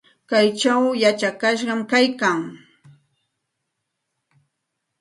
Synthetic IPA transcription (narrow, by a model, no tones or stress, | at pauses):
kajt͡ʃawjat͡ʃakaʃ̬ɢɑmkajkaŋ